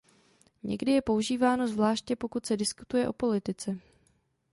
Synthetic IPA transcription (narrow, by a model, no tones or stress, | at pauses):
ɲɛ̰ɡdɪjɛpo̞uʒiːvaːno̞zvlaːʃcɛpo̞kut̪sɛdɪskut̪ujɛʔo̞po̞lɪt̪ɪt͡sɛ